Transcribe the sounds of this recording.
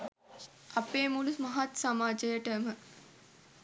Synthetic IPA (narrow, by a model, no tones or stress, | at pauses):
ɐpeːmulumɐɦat̪samaːd͡ʒəjəʈəmə